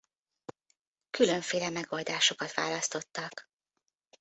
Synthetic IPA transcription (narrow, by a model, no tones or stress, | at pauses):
kylø̞ɱfeːlɛmɛɡo̞ld̪aːʃo̞kɒt̪ʋa̰ːlɒst̪o̞t̪ːɒk